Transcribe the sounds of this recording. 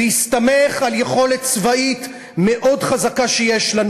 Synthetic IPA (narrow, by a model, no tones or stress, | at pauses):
ist̪ame̞χaljeχo̞let̪t͡svait̪ | me̞ʔo̞dχazakaʃejeʃlan